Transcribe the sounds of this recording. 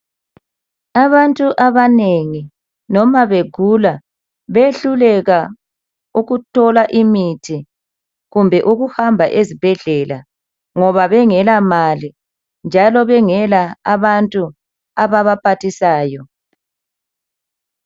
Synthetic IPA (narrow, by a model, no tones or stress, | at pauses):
aβantʼuʔaβaneŋi | nɔmaβeɡ̥ʱula | βeɬulɛɣa | uɣutʰɔlaʔimitʰi | ɣumbʱɛʔuɣuhambʱaʔezib̥ʱɛɮɛla | ŋɔβaβɛŋɛlamali | nd͡ʒʱalɔβɛŋɛlaaβantʼu | aβaβapʰatisaːjɔ